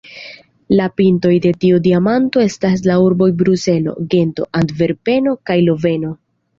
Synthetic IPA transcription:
lapinto̞jde̞tiudiamanto̞e̞stas̬lauɾbo̞jbɾuse̞lo̞̰ɡe̞nto̞̰ʔandve̞ɾpe̞no̞kajlo̞ve̞no̞

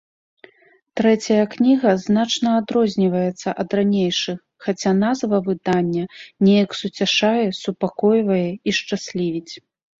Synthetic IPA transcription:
t̪ɾɛt͡sʲɐjɐknʲiɣɐznat͡ʂnɐːd̪ɾɔzʲnʲivɐjɛt̪sːɐʔɐd̪ranʲejʂɨx | xat͡sʲanazvɐvɨd̪anʲːɐnʲɛjɐksut͡sʲaʂajɛsupakɔjvɐjɛiʂt͡ʂasʲlʲivʲit͡sʲ

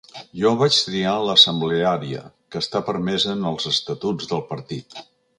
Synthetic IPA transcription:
ʒɔβat͡ʃt̪ɾialəsəmbleaɾiə̰kəːst̪apəɾmɛzənəlˠzəst̪ət̪ud͡zðəlˠpəɾt̪it̪

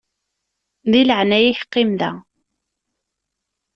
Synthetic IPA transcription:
ðiləʕnæjiçə̥qːimðæ̰

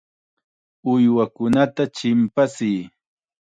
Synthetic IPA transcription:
ʊjwakʊnat̪at͡ʃɪmpasɪj

